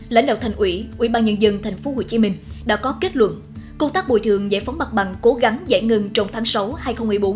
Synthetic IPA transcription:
la̰˧˥jŋɗa̰ː˧˨wt̪ʰa˨˩ŋ̟ʔwḭ˧˥ʔwḭ˧˩˥ɓaː˧nɲə˧nzə˧ŋt̪ʰa˨˩jŋ̟fo˨˦ho̰˧˨t͡ɕi˨˦mï˧ŋ̟ɗa̰ː˧˥kɔ˨˦ke˦˥t̚lwə̰˧˨n | kʊ˧ŋ͡mt̪aː˦˥k̚ɓo̰˧˨˩jt̪ʰɨ˨˩əŋzḛ˧˩fa˨˦wŋ͡mma˨˩t̚ɓa˨˩ŋko˨˦ɣa˨˦ŋza̰˧˥˩jŋə˧ŋt͡ɕɔ˨˧wŋ͡mt̪ʰaː˨˦ŋsa˨˦whaː˧jxə˧wŋ͡mmɨ˨˩jɓo˨˦n

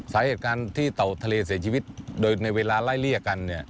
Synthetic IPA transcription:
saː˩˦heː˨˩t̪̚kaː˧nt̪ʰiː˥˩t̪a˨˩wt̪ʰa˧leː˧s̬i˨˩˦t͡ɕʰiː˧wi˦˥t̪̚doː˧jna˧jweː˧laː˧laː˥˩jli˥˩˨ka˧nːi˥˩ɐ

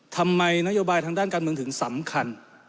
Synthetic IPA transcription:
t̪ʰa˧mːa˧jna˥joː˧baː˧jt̪ʰaː˧ŋdaː˥˩nkaː˧nmɯ˧əŋt̪ʰɯ˩˦ŋsa˩˦mkʰa˧n

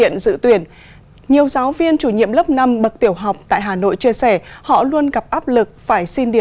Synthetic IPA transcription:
ḭ˧˨ənzɨ̰˧˥t̪wi˧˩ən | ɲi˨˩əwzaː˨˦wvi˧ənt͡ɕu˧˩ɲḭ˧˨əmlə˦˥p̚na˧mɓə˨˩k̚t̪i˧˩əwɦa˨˩wk͡p̚t̪a̰ː˧˨jɦaː˨˩no̰˧˨jt͡ɕi˧əsɛ˧˩hɔ̰˧˨lu˧ənɣa˨˩p̚ʔaː˦˥p̚lɨ˨˩k̚faː˧˩jsi˧nɗi˧˩

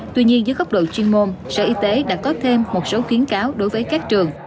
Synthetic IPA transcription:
t̪wi˧ɲi˧ənzə˨˦jɣə˦˥wk͡p̚ɗo̰˧˨t͡ɕwi˧nmo˧nsə̰ː˧˩ʔi˧t̪e˨˦ɗa̰ː˧˩kɔ˨˦t̪ʰe˧mːo˨˩t̚so˨˦xi˨˦ənkaː˨˦wɗo˨˦jvəː˨˦jkaː˦˥k̚t͡ɕɨ˨˩əŋ

